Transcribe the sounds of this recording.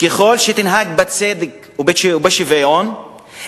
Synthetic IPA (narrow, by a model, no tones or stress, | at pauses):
keχo̞lʃet̪inɦaɡ̚bat͡sed̪ek | ubeʃubeʃivajon